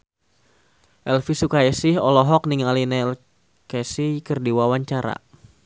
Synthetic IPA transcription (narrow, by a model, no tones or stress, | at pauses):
ʔɛlfisukaɛsɪɦɔlɔɦɔk̚niŋalinɛl | kɛsikərdiwawaɲt͡ʃaɾa̰